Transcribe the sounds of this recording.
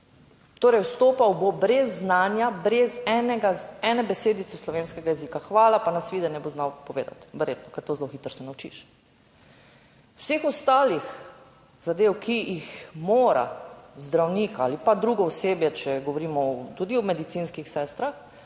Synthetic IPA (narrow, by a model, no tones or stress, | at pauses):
t̪oːɾɛjwst̪oːpawbobɾɛzːnaːnjabɾɛzɛnɛɡaɛnɛbɛseːd̪it̪sɛslɔʋeːnskɛɡajɛziːkaxʋaːlapanasʋiːd̪ɛnɛboznawpɔʋeːd̪a̰t̪ʋɛɾjeːt̪nɔkɛɾt̪oːzloxiːt̪əɾsɛnawt͡ʃḭʃ | wseːxɔst̪aːlix | z̥ad̪eːwkʰiixmoːɾa̰zd̪ɾawniːka̰ːlipad̪ɾuɡɔɔseːbjɛt͡ʃɛɡɔʋɔɾiːmɔt̪ud̪iɔmɛd̪it̪sinskixsɛːst̪ɾax